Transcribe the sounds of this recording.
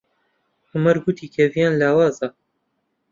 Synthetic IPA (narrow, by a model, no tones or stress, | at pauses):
ħʊmɐɾɡut̪ʰiːkʰɛvijaːnlaːwaːza